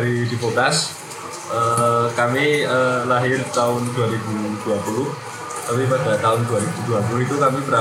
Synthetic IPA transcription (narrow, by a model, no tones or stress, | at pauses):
ɾid̥ipot̪as | ʔəkamiəlaɦɪrt̪aʊnduaɾibud̥uapulʊh | t̪apipad̥a̤t̪aʊnd̪uaɾibud̥uapulʊɦit̪ukamibəɾa